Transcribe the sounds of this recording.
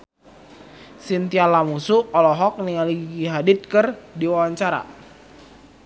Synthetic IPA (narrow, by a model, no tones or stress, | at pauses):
sint̪ialamusuɔlɔɦɔk̚niŋaliɡiɦadɪt̪̚kɨrdiwawaɲt͡ʃaɾa̰